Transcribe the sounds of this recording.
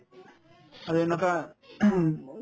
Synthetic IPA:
aɾuenɔka

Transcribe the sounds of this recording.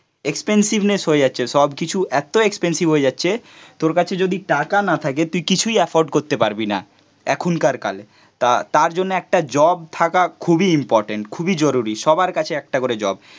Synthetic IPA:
ekspensibnesɦoed͡ʑatːɕʰeʃɔbkit͡ɕʰuʔɛt̪oekspensibɦoed͡ʑatːɕʰe | t̪oɾkat͡ɕʰed͡ʑod̪iʈakanat̪ʰaket̪ujkit͡ɕʰujɛfoɾɖkoɾt̪epaɾbina̰ | ɛkʰonkaɾka̰l | t̪at̪aɾd͡ʑonːeɛk̚ʈad͡ʑɔb̚t̪ʰakakʰubiimpɔɾʈeɳʈkʰubid͡ʑɔɾuɾiʃɔbaɾkat͡ɕʰeɛk̚ʈakoɾed͡ʑɔ̰b̚

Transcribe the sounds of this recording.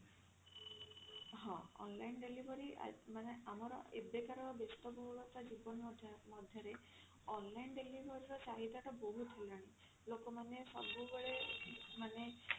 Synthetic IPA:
ɦɔ̃ɔ̰nlajnɖelibʱɔɾia̰maneamɔɾɔ̰ḛbekaɾɔbest̪ɔbɔɦulɔt̪ad͡ʒibɔnd̪ʱmɔd̪ʱjɔɾe | ɔnlajnɖelibʱɔɾiɾɔsaɦid̪aʈɔbɔɦut̪ʰilaɽ̃i | lokɔmanesa̰buɡeɭemane

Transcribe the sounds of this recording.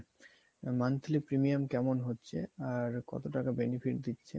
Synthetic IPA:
mant̪ʰilipɾimiamkɛmonɦotːɕʰeaɾkɔ̰t̪oʈakabenifʰiʈd̪itːɕʰe

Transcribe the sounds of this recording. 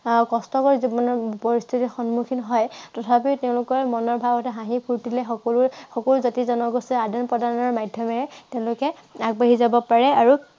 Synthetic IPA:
kɔstɔkɔɹizibɔnɔɹpɔɹistʰitixɔnmukʰinɦɔjtɔtʰapiteʊ̃lʊkɔɹmɔnɔɹbʱabɔtɛɦãɦipʰuɹtilɛxɔɔlxɔkɔluzotizɔnɔɡosɛadɔnpɹɔdaɹnɔɹmadʱjɔmɛɛteʊ̃lʊkɛaɡ̚baɦizabɔpaɹɛaɹu

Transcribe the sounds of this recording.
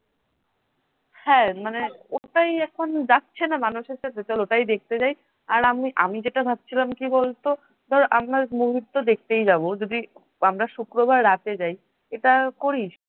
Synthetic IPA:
hɛ̃maneoʈajɛkʰond͡ʑatːɕʰenamanuʃeɾʃapɾet͡ɕoloʈajd̪ek̚t̪ed͡ʑaj | aɾamiʔamid͡ʑeʈabʱab̚t͡ɕʰilamkibolt̪o | d̪ʱɔɾʔamɾamuɦidt̪ːod̪ek̚ʰt̪ejd͡ʑabod͡ʑod̪i | amɾaʃukɾobʱaɾːat̪ed͡ʑaj | eʈakoɾiʃ

